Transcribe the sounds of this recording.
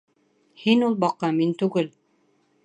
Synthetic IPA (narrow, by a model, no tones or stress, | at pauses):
hinulˠbɑqːɑmint̪ʉɡɘl